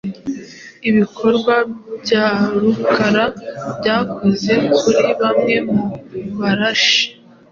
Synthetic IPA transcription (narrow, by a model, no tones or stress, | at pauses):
iβikʰo̞ɾɡwabɟaɾukʰaɾabɟaːkʰo̞ze̞kʰuɾiβamŋe̞muβaɾaʃi̥